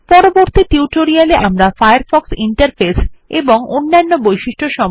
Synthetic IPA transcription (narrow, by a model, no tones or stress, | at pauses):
pɔɾoboɾt̪iʈiuʈoɾialeʔamɾafajaɾfɔksiɳʈaɾfeseboŋonːanːobojʃiʃʈʰoʃɔm